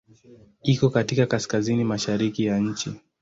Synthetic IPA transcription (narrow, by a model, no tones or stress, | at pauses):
ikɔkatikakaskazinimaʃaɾikijaɲ̩t͡ʃi